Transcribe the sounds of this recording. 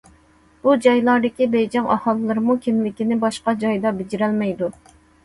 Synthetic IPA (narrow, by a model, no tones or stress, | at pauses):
b̥ud͡ʒɑjlˠɑɾd̪ɪkʲibejd͡ʒɛŋʔɑ̰hɑlˠɨlːɨɾɨmukʲʰimlɪkʲinɪbɑʃqɑd͡ʒɑjd̪ɑbɪd͡ʒiɾɛlmɛjd̪u